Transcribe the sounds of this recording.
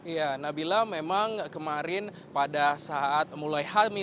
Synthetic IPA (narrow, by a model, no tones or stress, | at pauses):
ijanabilamemaŋkəmaɾɪn | padasaat̪̚mulajhami